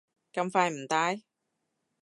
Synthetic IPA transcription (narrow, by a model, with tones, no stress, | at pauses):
kɐ˧mfaː˧jm̩˨˩t̪aː˧˥j